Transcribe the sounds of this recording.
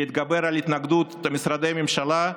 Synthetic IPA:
id̪̚ɡabeɾalit̪naɡd̪ut̪misɾad̪ejmemʃala

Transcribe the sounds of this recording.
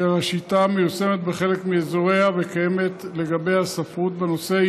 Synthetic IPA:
eaʃit̪amejusemet̪̚beχe̞lekmiezoʁehavekajeme̞t̪le̞ɡabejhasafʁut̪beno̞se

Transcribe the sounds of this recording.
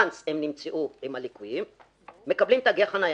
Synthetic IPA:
nt͡semnimt͡seʔuimhalikujimː | e̞kablimt̪aɡeaχanaj

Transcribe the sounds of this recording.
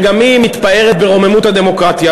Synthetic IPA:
ɡamimit̪pae̞ʁet̪̚beʁo̞memut̪had̪e̞mo̞kʁat̪ja

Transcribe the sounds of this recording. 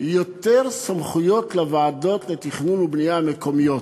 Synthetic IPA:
jot̪eʁsamχujo̞tlevaːdo̞t̪let̪iχnunubnijameko̞mijo̞t̪

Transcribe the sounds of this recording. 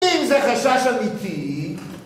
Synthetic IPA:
imzɛχaʃaʃamit̪i

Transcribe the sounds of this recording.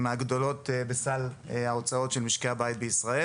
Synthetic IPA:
maɡd̪o̞lot̪besal | eaot͡sao̞tʃelmiʃkeabajit̪̚beisʁae

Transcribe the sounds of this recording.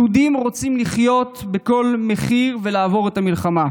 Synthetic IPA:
ud̪imʁo̞t͡simliχjo̞t̪beko̞lmeχiʁvelaːvo̞ʁethamilχama

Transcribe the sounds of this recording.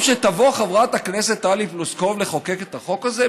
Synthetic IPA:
ʃet̪avo̞χavʁat̪aknese̞t̪ːalipluskovleχo̞keket̪aχo̞kaze

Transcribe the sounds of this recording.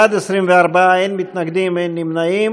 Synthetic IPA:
ad̪esʁimveaʁbaaenmit̪naɡd̪imenːimnaim

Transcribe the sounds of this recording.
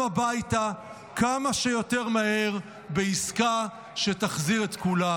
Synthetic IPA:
abajta | kamaʃejo̞t̪eʁmahe̞ʁ | beiska | ʃe̞taχziʁet̪kula

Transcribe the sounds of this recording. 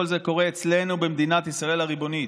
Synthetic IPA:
olze̞ko̞ʁeːt͡sle̞nubemd̪inat̪isʁae̞lhaʁibo̞ni

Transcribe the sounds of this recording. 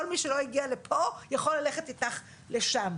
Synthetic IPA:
olmiʃelo̞iɡialepʰo̞jaχo̞lːaleχetitaχ | leʃam

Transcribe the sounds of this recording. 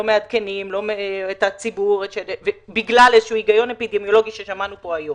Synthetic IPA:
omead̪kenimlo̞meetat͡sibuʁeʃed̪evebiɡlalezeʃuuiɡajo̞nepid̪emjo̞lo̞ɡiʃeʃamanupo̞ajo

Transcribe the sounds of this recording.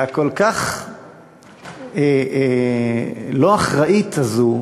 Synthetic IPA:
akolkaχ | e | loaχʁaʔitazu

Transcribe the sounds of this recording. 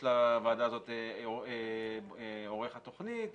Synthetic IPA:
lavaːd̪aːzo̞t̪ | oʁeχat̪o̞χnit̪

